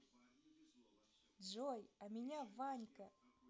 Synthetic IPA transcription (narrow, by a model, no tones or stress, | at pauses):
d͡ʒojamʲinʲavanʲkə